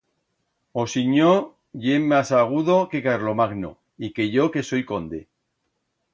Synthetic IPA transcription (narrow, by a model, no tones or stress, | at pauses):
osiɲo | ʝemːasaɣ̞uðoke̞kaɾlo̞maɣno̰ | ike̞ʝo̞ke̞so̞jkond̪e